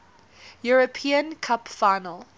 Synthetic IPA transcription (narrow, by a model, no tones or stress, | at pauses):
juɹəpʰĩə̃nkʰapfaɪnəlˠ